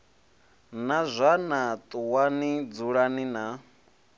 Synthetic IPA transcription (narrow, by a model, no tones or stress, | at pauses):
nazʷanat̪ʼuwanid͡zuɺanina